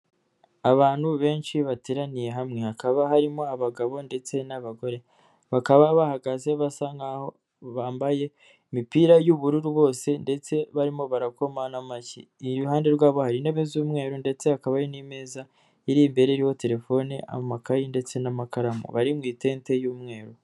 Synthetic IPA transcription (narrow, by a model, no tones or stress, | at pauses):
aβaːnhuβe̞ːnʃiβateɾanije̞ɦamŋe̞akaβaɦaɾimo̞aβaɡaβo̞nde̞t͡se̞naβaɡo̞ɾe̞ | βakaβaβahaɡaze̞βasaŋɡaho̞ | βaːmbaje̞ | imipiːɾajuβuɾuɾuβo̞ːse̞nde̞t͡se̞βaɾimo̞βaɾako̞manamacḭːɾuhaːnde̞ɾɡaːβohaɾine̞βezuːmŋe̞ːɾunde̞t͡se̞hakaβaɾinime̞ːza | iɾiːmbe̞ɾe̞iɾiho̞te̞ɾe̞fo̞niʔa̰momakajinde̞t͡se̞namakaɾamo̰βaɾimŋiːte̞ːnte̞juːmŋe̞ːɾu